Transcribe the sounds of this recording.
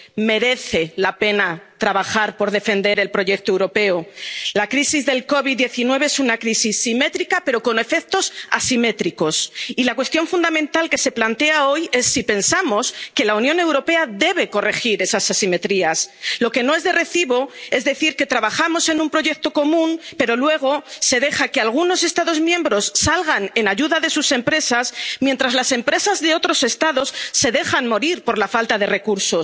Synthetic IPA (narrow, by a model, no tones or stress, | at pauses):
me̞ɾe̞θe̞lape̞nat̪ɾaβ̞axaɾpo̞ɾðe̞fe̞nd̪e̞ɾe̞lpɾo̞ʝe̞k̚t̪oewɾo̞pe̞olakɾisizðe̞lko̞βiðd̪ːjeθinwe̞β̞eesunakɾisisːime̞t̪ɾikape̞ɾo̞ko̞ne̞fe̞k̚t̪o̞sa̰sime̞t̪ɾiko̞silakwe̞st̪jo̞ɱfund̪amẽ̞nt̪alke̞se̞plant̪e̞ao̞je̞sːipe̞nsamo̞ske̞launjõ̞ne̞wɾope̞aðe̞β̞e̞ko̞re̞xiɾe̞sasasime̞t̪ɾiaslo̞ke̞no̞e̞zðe̞re̞θiβo̞e̞zðe̞θiɾke̞t̪ɾaβaχamo̞se̞nũmpɾo̞ʝe̞k̚t̪o̞ko̞mũnpe̞ɾo̞lwe̞ɣ̞o̞se̞ðe̞xake̞alɣ̞uno̞se̞st̪aðo̞zmjẽ̞mbɾo̞sːalɣane̞naʝuðaðe̞suse̞mpɾe̞sasmje̞nt̪ɾazlase̞mpɾe̞sazðe̞o̞t̪ɾo̞se̞st̪aðo̞sːe̞ðe̞xanmo̞ɾiɾpo̞ɾlafalt̪að̞e̞re̞kuɾso̞